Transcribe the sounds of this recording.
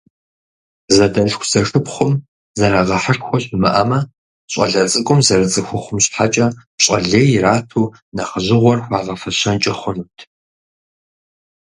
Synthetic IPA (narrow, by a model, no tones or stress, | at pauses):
zɐdɐɬxʷzɐʂɨpχʷʊm | zɐɾaːʁɐħəʂxʷɔɕɪmɐ̰ʔɐmɐ | ɕʼɐ̰ɮɐt͡sʼɨkʷʼʊmzɐɾɐt͡sʼɨxʷʊχʷʊmɕħat͡ʃʼɐɕʼɐɮeːjɾaːtʰuː | nɐχəʑɪʁʷɔrxʷɑːʁɐfɐɕɐnt͡ʃʼɐχʷʊnuːtʰ